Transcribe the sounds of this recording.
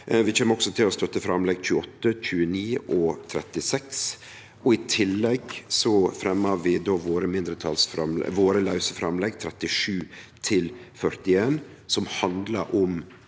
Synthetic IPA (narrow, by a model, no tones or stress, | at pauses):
ʋɪt͡ʃɛːməɔksɔt̪ʰɪlɔst̪œt̪ːəfɾɑmlɛɡc͡çʉːɔt̪ːəc͡çʉːəniːʔɔt̪ʰɾɛ̰t̪ːɪsɛks | ʔɔɪt̪ʰɪlːɛɡsɔfɾɛmːəʋɪd̪oːʋoːɾəmɪnd̪ɾət̪ʰɑ̰lsfɾɑmlɛ̰ʋoːɾəlɑʉsəfɾɑmlɛɡt̪ʰɾɛt̪ɪʂʉːt̪ʰɪlfœɾt̪ɪeːn | sɔmhɑnd̪lə̰ɾʔɔm